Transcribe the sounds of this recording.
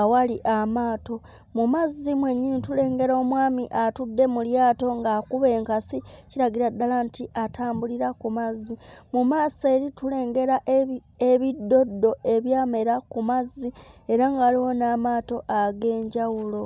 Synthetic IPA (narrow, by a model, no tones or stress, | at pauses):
awaliʔamaːto̞ | mumazimweɲːinitule̞ːŋɡe̞ɾo̞ːmwaːmiʔatudːe̞muljaːto̞ŋɡakuβe̞ːŋkasiciɾaɡiɾadalantiʔatʰaːmbuliɾakumazimumaːse̞ːɾitule̞ːŋɡe̞ɾaʔ | eβidːo̞dːo̞e̞βjaːme̞ɾakumazie̞ɾaŋɡaːliwo̞naːmaːto̞ʔaɡe̞ːɲɟawulo̞